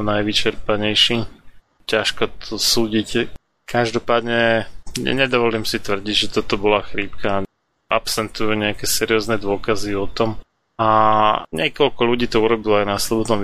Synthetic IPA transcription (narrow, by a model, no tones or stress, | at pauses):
najʋit͡ʃɛɾpaɲɛjʃi | caʃkɔt̪ʰɔsuːɟic | kʰaʒd̪ɔpaːd̪ɲɛ | ɲɛd̪ɔʋɔliːmsit̪ʋr̩ɟiɟʒɛt̪ɔt̪ɔbɔlaxɾiːpka | ʔapsɛnt̪ujuɲɛakɛsɛɾiɔznɛd̪ʊɔkaziɔt̪ɔm | aɲɛkɔʎkɔluɟiːt̪ɔuɾɔbilɔajnaslɔbɔd̪nɔm